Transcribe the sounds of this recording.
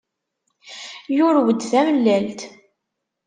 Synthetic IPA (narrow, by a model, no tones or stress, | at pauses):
jʊɾwəd̪θæməlːælt̪